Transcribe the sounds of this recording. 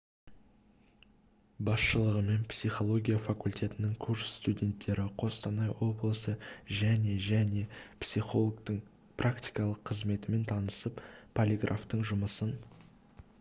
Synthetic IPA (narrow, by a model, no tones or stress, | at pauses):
bɑsʃəlˠəʁəme̞npsiχo̞lˠo̞ɡʲijafakulʲt̪ʰʲe̞t̪ɪnɪŋkʰursst̪udʲe̞nt̪ːe̞ɾɪqʰo̞st̪ɑnɑjwo̞blˠəsəʒæne̞ʒæne̞psiχo̞lˠoɡt̪əɴ | prakt̪ʲijkɑlˠəqʰːəzme̞t̪ɪme̞nt̪ʰɑnəsəppʰːolʲiɡrʔaft̪əɴʒʊməsən